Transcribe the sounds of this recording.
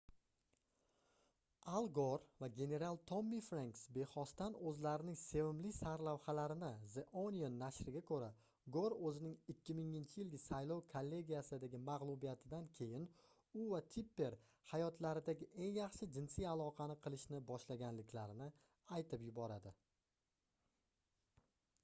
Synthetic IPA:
alˠɡoɾvaɡʲe̞ne̞ɾalˠt̪ʰomːifɾaŋksbe̞χɒst̪anɵzlaɾɪnɪŋse̞vɪmlɪsaɾlawhalaɾɪnɪzeʔonijonːaʃɾɪɡʲakʰɵɾa | ɡoɾɵzɪnɪŋɪkʲːɪmɪŋɪnt͡ʃʰɪjɪlɡʲɪsajlɒwkʰolːe̞ɡʲijasɪd̪aɡʲɪmaʁlˠʊbijat̪ʰɪd̪ankʲʰe̞jɪn | ʊvat̪ʰipːe̞ɾ | hajɒt̪ʰlaɾɪd̪aɡʲɪʔe̞ŋjɑχʃɪd͡ʒɪnsijalˠɒqʰɑnɪqʰɨlˠɪʃnɪbɒʃlaɡʲanlɪkʲlaɾɪnɪ | ajt̪ʰɪpjʊbɒɾad̪ɪ

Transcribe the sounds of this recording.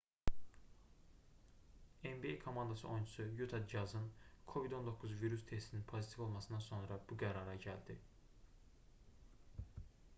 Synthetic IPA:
embiejkʰomɑnd̪ɑsɯʔo̞jnt͡ʃʰu̥sujut̪ʰɑd̪ɑzɯnkʰo̞vid̪o̞nd̪o̞kʰːuzviɾust̪ʰe̞st̪ʰininpʰo̞zit̪ʰifo̞lˠmɑsɯnd̪ɑnso̞nɾɑbuɡæɾɑɾɑɟæld̪̥i

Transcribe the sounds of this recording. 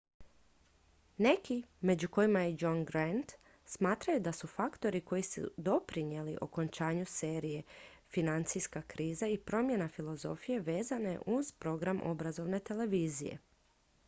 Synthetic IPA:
ne̞kime̞d͡ʑuko̞jimajed͡ʒonɡɾant̪ | smaːt̪ɾajud̪asufakt̪o̞ɾiko̞jisṵd̪o̞pɾiɲje̞liʔo̞̰ko̞nt͡ʃaːɲuse̞ːɾije̞finant̪sijskakɾiːzaipɾo̞mje̞nafilo̞zo̞fije̞ʋe̞ːzane̞̰ʔuz̥pɾo̞ɡɾamʔo̞̰bɾazo̞ʋne̞t̪e̞le̞ʋiːzḭjḛ

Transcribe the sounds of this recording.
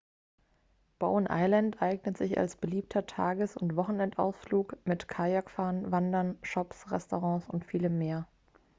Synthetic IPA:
b̥a̰ʊənʔa̰ɪlantʔaɪɡnətz̥ɪça̰lsb̥əliːp̚tʰɐtʰaːɡəsʊntv̥ɔχn̩ɛntʔa̰ʊsfluːkmɪtkʰajakfaːɐnvandɐnʃɔpsʁɛstoʁɑ̃ːsʊntfiːləmːeːɐ

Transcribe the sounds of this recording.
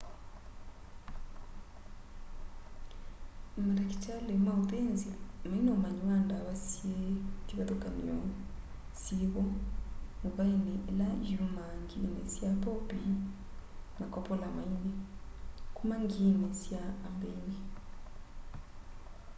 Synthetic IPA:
maɾakitalemaut̪enzimainɔmaɲuwandaβasietiβatokanḭɔ | siβɔmuβaineʔelaʒumaŋɡinḛsiapɔpi | makɔpɔlamaine | kumaŋɡimesiaːmbeŋɡi

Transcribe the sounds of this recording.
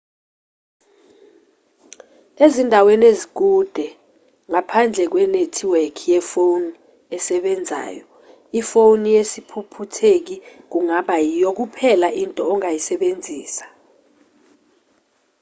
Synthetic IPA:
ezindʱawenezik̬ud̥ʱɛ | ŋapʰand͡ɮʱɛk̬wɛnetʰiwekʰijɛfowni | ɛsɛɓɛnd͡zʱa̰ːjɔ | ifownijesipʰupʰutʰek̬ik̬uŋaɓajijok̬upʰɛlaʔintʼɔːŋajisɛɓend͡zʱiːsḁ

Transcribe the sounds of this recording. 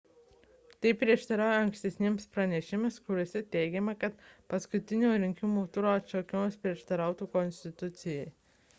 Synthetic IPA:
t̪ɐɪpʲɾʲiɛʃt̪ɐɾɑːjoːɐŋksʲt̪ʲɛsʲnʲemspɾɐnʲɛʃʲɪmʲeskʊɾʲoɔsʲɛt̪ʲɛɪɡʲɛmɐkɐt̪pɐskʊt̪ʲɪnʲoːɾʲɪŋʲkʲɪmuːt̪ʊɾoːɐt̪t͡ʃokʲɪmospʲɾʲiɛʃt̪ɐɾɑˑʊt̪uːkɔnʲsʲt̪ʲɪt̪ʊt̪sʲɪjɛɪ

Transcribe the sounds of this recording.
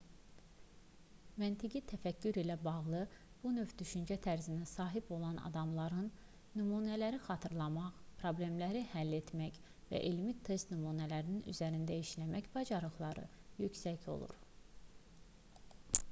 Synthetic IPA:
mænt̪ʰiɡit̪ʰæfæcʰːyɾilæbɑʁlˠɯ | b̥unøvd̪yʃynd͡ʒæt̪ʰæɾzinæsɑːɦibo̞lˠɑnɑ̰d̪ɑmlˠɑɾɯnː | ymuːnælæɾixɑt̪ʰɯɾlˠɑmɑχpʰɾo̞blʲe̞mlæɾihælːe̞t̪mæç | væ̰ʔelmit̪ʰːe̞st̪nymuːnælæɾininy̰zæɾind̪æiʃlæmæçbɑd͡ʒɑɾɯɣlˠɑɾɯ̰jycsæcʰo̞̰lˠṵɾ

